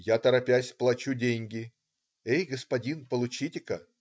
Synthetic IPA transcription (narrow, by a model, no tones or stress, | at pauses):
jat̪əɾɐpʲasʲplˠɐt͡ɕudʲenʲɡʲɪ | ejɡəspɐdʲinpəlˠʊt͡ɕitʲɪkə